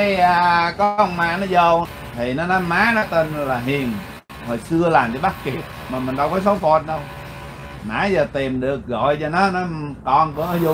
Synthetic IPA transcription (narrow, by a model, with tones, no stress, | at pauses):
aː˨˩kɔ˨˦ə˨˧wŋ͡mmaː˧˨nɔ˨˦zə˧˩w | t̪ʰi˨˩nɔ˨˦nɔ˨˦jmaː˨˦nɔ˨˦t̪ə˧˩n˧laː˨˩ɦi˨˩ən | hɔ˨˩jsɨ˧əlaː˨˩mt͡ɕɔ˧ɓa˦˥k̚ki˨˩ə | maː˨˩mï˨˩ŋɗa˧˩wkɔ˨˦so˨˦wfɔ˨˩t̚ɗə˧w | na̰ː˨˦jzəː˨˩t̪i˨˩mɗɨ˨˩ək̚ɣɔ̰˧˨jza˨˩nɔ˨˦nɔ˨˦kɔ˨˩nku˧˩ənɔ˨˦zu˧˨